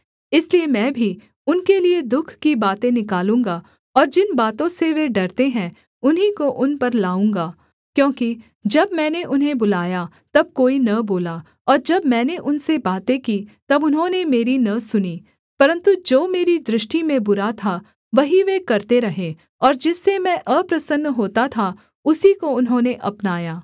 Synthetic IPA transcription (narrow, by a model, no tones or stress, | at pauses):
ɪsliemɛ̃ːbʱi | ʊnkelied̪ʊkʰkibaːt̪ẽnɪkaːlũːŋ̆ɡa | ɔːɾd͡ʒɪnbaːt̪õseʋeɖɐɾt̪eɦɛ̃ː | ʊnɦikoʔʊnpɐɾlaːũːŋɡaː | kjõːki | d͡ʒɐbmɛ̃ːneʔʊnɦẽbʊlaːja | t̪ɐb̚koːinɐboːla | ɔːɾd͡ʒɐbmɛ̃ːneʔʊnsebaːt̪ẽkiːt̪ɐbʊnɦõnemeːɾinɐsʊniː | pɐɾə̃nt̪ud͡ʒoːmeːɾid̪ɾɪʃʈimẽbʊɾat̪ʰa | ʋɐɦiʋekɐɾt̪eɾɐɦẽː | ɔːɾd͡ʒɪsːemɛ̃ʔəpɾɐsənːɦoːt̪at̪ʰa | ʊsikoʊnɦõːneʔɐpnaːjaː